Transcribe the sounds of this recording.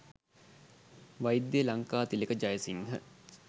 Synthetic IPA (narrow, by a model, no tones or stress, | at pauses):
ʋajid̪ːjelaŋkaːt̪ilekəd͡ʒajəsiŋɦə̰